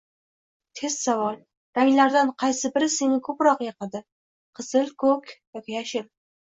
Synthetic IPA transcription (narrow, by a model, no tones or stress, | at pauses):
t̪ʰe̞z̥savɒlˠ | ɾaŋʲlaɾd̪anqʰɑjsɪbɪɾɪse̞nɪkʰɵpɾɒqjeqɨd̪ɪ | qʰɨz̥ɪlkʰɵkʲjɒkʲɪjaʃɪɾ